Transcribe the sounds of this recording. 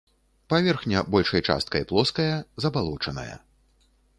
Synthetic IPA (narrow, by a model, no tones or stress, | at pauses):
pavʲɛrxnʲɐbɔlʲʂɐjt͡ʂa̰st̪̚kɐjplˠɔskɐjɐzɐbalˠɔt͡ʂɐnɐ̰jɐ̰